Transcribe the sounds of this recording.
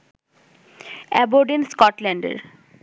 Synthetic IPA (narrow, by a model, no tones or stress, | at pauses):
ɛboɖinskɔʈlɛɳɖḛɾ